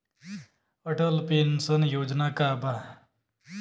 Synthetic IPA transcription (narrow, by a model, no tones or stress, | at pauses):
əʈəlpensənjoːd͡ʒnakabʱa